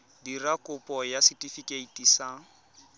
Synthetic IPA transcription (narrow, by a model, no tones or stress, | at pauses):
dirakʼʊpʼɔjasitʼifikʼeitʼisa